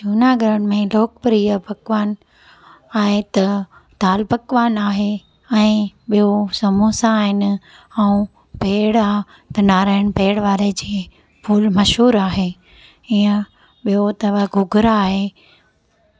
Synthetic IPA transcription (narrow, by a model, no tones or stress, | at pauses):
d͡ʒuːnaːɡɾəɽmẽloːk̚pɾiːəbɐkʋaːn | aːɦet̪ɐ | t̪aːlbɐkʋaːnaːɦe | ɛ̃ːɓijosɐmusãːɦɪnɪ̆ | aũ | peːɽa | t̪ɐnaːɾaːɪɽ̃peːɽʋaːɾed͡ʑeː | pʰuːlmɐʃɦuːɾaːɦeː | iːə̃ | ɓijot̪ɐʋaɡʱʊɡʱʊɾaːɦeː